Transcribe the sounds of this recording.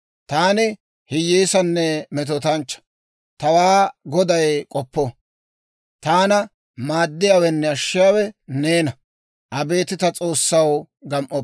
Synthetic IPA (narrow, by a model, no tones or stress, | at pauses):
t̪aːnɪ | hɪjeːsɐnːɛmɛt̪̬ɔt̪ɐnt͡ʃːɐ̥ | t̪ɐwaːɡɔd̪ɐjkʼɔpːɔ | t̪aːnɐ | maːd̪ːɪjawɛnːɛɐʃːɪjaːwɛneːnɐ | ʔɐbe̞ːt̪ɪt̪ɐt͡sʼo̞ːsːɐw | ɡɐmʔɔp